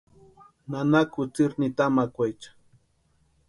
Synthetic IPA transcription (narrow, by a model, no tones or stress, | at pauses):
nanakʊt͡sɪɾnit̪amakʷajt͡ʃḁ